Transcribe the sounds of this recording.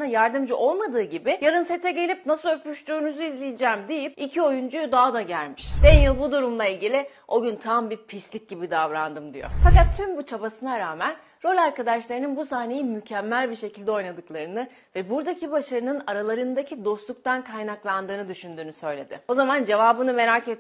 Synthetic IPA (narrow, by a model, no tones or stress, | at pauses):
najaɾd̪ɯmd͡ʒyʔo̞lˠmad̪ɯːɟibɪjaɾɯnse̞t̪ʰɛɟe̞lʲipnasɯlˠøpyʃt̪yːnuzuizlʲijid͡ʒæːmd̪ejip̚icʰio̞jund͡ʒujd̪aɦad̪aɟælʲmiʃbɛnjɯlˠbud̪uɾumlˠailʲɟilʲɪo̞ɟynt̪ʰambiɾpʰist̪lʲic̚ɟibid̪avɾand̪ɯmd̪ijo̰fakat̪ʰːymbut͡ʃʰabasɯnaɾaːmæn | ɾo̞lʲaɾkad̪aʃlˠaɾɯnɯnbusaːne̞jimycʰɛmːælʲbiɾʃe̞cʰilʲd̪ɛo̞jnad̪ɯklˠaɾɯnɯ | vɛbuɾd̪acʰibaʃaɾɯnɯnaɾalˠaɾɯnd̪acʰid̪o̞st̪lˠuk̚t̪ʰankʰajnaklˠand̪ɯːnɯd̪yʃynd̪yːnysø̞jlʲe̞d̪ɪ̰o̞zamand͡ʒe̞vaːbɯnɯme̞ɾaket̪ː